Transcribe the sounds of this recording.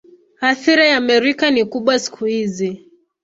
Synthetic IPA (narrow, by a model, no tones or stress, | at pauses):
aθiɾajamɛɾikanikuɓwasi̥kʰuhizi